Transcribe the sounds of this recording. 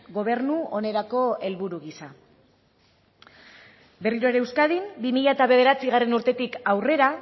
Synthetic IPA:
ɡo̞β̞e̞ɾnuo̞ne̞ɾako̞e̞lβuɾuɣisa | be̞riɾo̞e̞ɾewskað̞imbimiʎaet̪aβe̞ð̞e̞ɾat͡siɣare̞nuɾt̪e̞t̪ikawre̞ɾa

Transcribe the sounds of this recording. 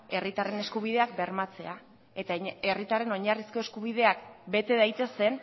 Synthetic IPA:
e̞rit̪are̞ne̞skuβ̞iðe̞akbe̞ɾmat͡se̞a | e̞t̪ae̞rit̪are̞no̞ɲarisko̞e̞skuβ̞iðe̞akbe̞t̪e̞ðajt̪e̞se̞n

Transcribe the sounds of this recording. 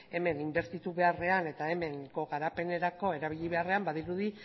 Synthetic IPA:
e̞me̞nimbe̞ɾt̪it̪uβe̞are̞ane̞t̪ae̞me̞ŋko̞ɣaɾape̞ne̞ɾako̞e̞ɾaβiʎiβ̞eare̞ambaðiɾuði

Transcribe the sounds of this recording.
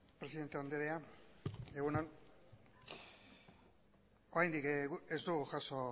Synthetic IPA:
pɾe̞siðet̪eand̪eɾea | e̞ɣunan | oɾajnd̪ikezd̪uɣuʝaso̞

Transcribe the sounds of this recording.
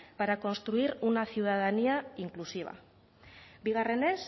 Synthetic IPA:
paɾako̞nst̪ɾuiɾunaθiuðað̞aniaiŋklusiβa̰ | biɣare̞ne̞s

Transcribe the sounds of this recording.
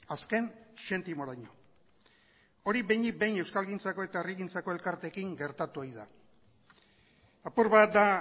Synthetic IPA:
aske̞nʃe̞nt̪imo̞ɾaɲo | o̞ɾibejɲik̚be̞jne̞wskalɣint͡sako̞e̞t̪aeriɣint͡sako̞e̞lkaɾt̪e̞kiŋɡe̞ɾt̪at̪uojða | apuɾβat̪̚d̪a

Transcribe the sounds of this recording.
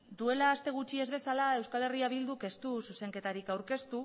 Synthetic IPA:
d̪ue̞laːst̪e̞ɣut͡ʃie̞zβe̞salae̞wskale̞riaβild̪uke̞st̪ususe̞ŋke̞t̪aɾikawɾke̞st̪u

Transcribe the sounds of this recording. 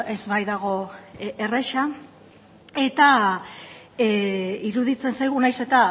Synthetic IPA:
e̞zβajðaɣ̞o̞ere̞ʃa | e̞t̪a | iɾuðit͡se̞nsajɣ̞unajse̞t̪a

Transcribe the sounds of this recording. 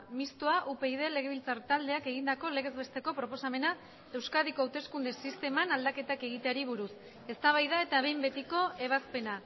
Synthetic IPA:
mist̪uaʔupe̞ið̞e̞le̞ɣe̞βilt͡saɾt̪ald̪e̞ake̞ɣ̞ind̪ako̞le̞ɣ̞e̞zβe̞st̪e̞ko̞pɾo̞po̞same̞na | e̞wskað̞iko̞awt̪e̞skund̪e̞sist̪e̞manald̪ake̞t̪ake̞ɣ̞it̪e̞aɾiβ̞uɾus | e̞st̪aβ̞ajðae̞t̪aβe̞jmbe̞t̪iko̞e̞β̞aspe̞na

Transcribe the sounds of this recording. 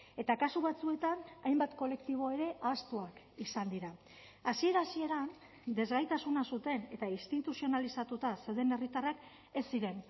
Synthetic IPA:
e̞t̪akasuβat͡sue̞t̪anajmbat̪ko̞le̞kt̪iβ̞o̞eɾe̞ʔast̪uak | isand̪iɾa | asie̞ɾasie̞ɾan | d̪e̞zɣajt̪asunasut̪e̞ne̞t̪ainst̪it̪usio̞nalisat̪ut̪asewðe̞ne̞rit̪arak | e̞sːiɾe̞n

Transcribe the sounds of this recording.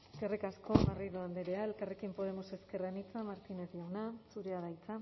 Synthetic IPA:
eskerekasko̞mariðoand̪eɾeaelkarekimpo̞ð̞e̞mo̞se̞ske̞ranit͡samaɾt̪ineziawnasuɾeaðajt͡sa

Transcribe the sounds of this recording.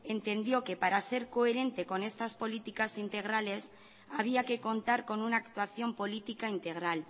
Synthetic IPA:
e̞nt̪e̞nd̪jo̞ke̞paɾase̞ɾko̞eɾe̞nt̪e̞ko̞ne̞st̪aspo̞lit̪ikasint̪e̞ɣ̞ɾale̞s | aβ̞iake̞ko̞nt̪aɾko̞nunaːkt̪uaθjo̞mpo̞lit̪ikaint̪e̞ɣ̞ɾal

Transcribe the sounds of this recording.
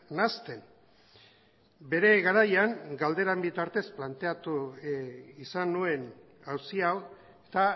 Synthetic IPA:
nast̪e̞n | be̞ɾe̞ɣaɾajaŋɡald̪e̞ɾambit̪aɾt̪e̞splant̪e̞at̪u | isanue̞n | awsiaw | et̪a

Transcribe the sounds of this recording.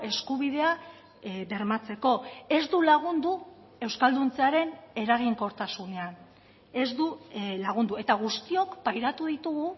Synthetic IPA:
e̞skuβ̞ið̞e̞a | βe̞ɾmat͡se̞ko̞e̞zd̪ulaɣund̪u | e̞wskald̪unt͡seaɾe̞ne̞ɾaɣ̞iŋko̞ɾt̪asune̞an | e̞zd̪ulaɣ̞und̪ue̞t̪aɣ̞ust̪io̞kpajɾat̪uðit̪uɣu

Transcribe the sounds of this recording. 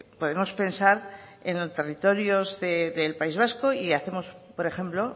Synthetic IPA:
po̞ð̞e̞mo̞spe̞nsaɾḛnot̪e̞rit̪o̞ɾjo̞zðeðe̞lpaizβasko̞iaθe̞mo̞spo̞ɾe̞χe̞mplo̞

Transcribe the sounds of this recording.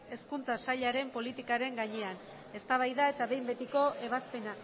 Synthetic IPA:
e̞skunt͡sasaʎaɾe̞mpo̞lit̪ikaɾe̞ŋɡaɲe̞an | e̞st̪aβ̞ajðae̞t̪aβe̞jmbe̞t̪iko̞ʔe̞βaspe̞na

